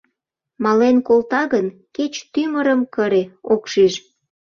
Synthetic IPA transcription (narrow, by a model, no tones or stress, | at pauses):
mɑlenkolt̪ɑɣənket͡ɕt̪yməɾəmkəɾeokʃiʃ